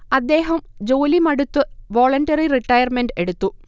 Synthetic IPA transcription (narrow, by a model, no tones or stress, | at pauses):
ɐd̪ːe̞ːɦɐmd͡ʑoːlimɐɽut̪ːɨʋo̞ːɭɐnɖɐririʈːɐjɐrmenɖeɽut̪ːu